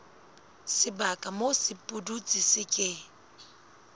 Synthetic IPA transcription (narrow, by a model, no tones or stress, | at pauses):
sɪbakʼamosɪpʼudut͡sʼɪsɪkʼɪ